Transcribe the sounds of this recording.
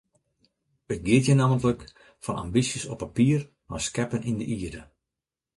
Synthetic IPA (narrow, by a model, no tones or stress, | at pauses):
ət̚ɡɪətjənaːməntlək | fɔna̰mbisjəsɔpːapiər | ma̰skɛpənʔindəʔiədə